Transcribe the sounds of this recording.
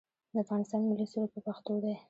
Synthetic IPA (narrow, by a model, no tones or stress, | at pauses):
d̪əafɣɑnɪst̪ɑnmɪlisulopəpaxt̪od̪aj